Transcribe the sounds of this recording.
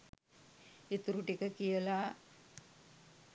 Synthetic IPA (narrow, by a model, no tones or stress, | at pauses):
it̪uɾuʈikəkijəla